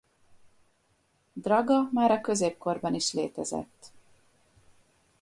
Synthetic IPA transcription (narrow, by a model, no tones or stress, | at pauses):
d̪rɒɡɒmaːɾɒkø̞zeːp̚ko̞rbɒniʃleːt̪ɛzɛ̰t̪ː